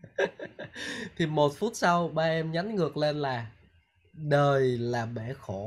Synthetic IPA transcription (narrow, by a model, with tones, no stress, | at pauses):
t̪ʰi˨˩mo˨˩t̚fu˦˥t̚sa˧wɓaː˧ʔɛ˧mɲa˨˦ŋŋɨ˨˩ək̚le˧nlaː˨˩ | ɗəː˨˩jlaː˨˩ɓɛ˧˩xo˧˩